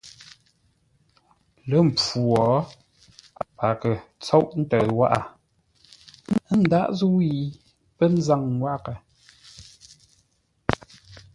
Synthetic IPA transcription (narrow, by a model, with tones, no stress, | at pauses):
lə˦m̩˨pu˨ɔ˨˦ | pa˨kə˨t͡sɔ˦wʔn̩˦tə˨wa˦ʔa˨˦ | n̩˦da˦ʔzu˦i˦˨ | pə˦n̩˦za˦˨ŋwa˦kə˨